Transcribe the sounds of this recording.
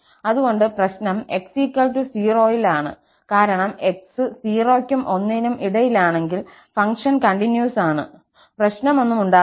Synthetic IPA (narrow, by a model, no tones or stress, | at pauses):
ɐðuɣo̞ɳɖɨprɐɕnɐme̞ksikːɐlʈusiːro̞ːjilaːɳɨ̰ | kaːɾɐɳɐme̞ksɨsiːro̞ːkʲːjumʔo̞nːiinumʔiɽɐjilaːɳe̞ŋɡil | fɐŋkʂɐnkɐɳʈinjuːsaːɳɨ̰ | prɐɕnɐmo̞nːumuɳɖaː